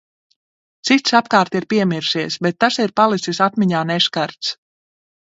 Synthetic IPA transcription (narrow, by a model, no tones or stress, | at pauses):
t̪sit̪sapkaːɾt̪iɾpiɛmiɾʃiɛsbɛt̪ːasiɾpalˠit̪sisat̪miɲaːnɛʃkaɾt̪s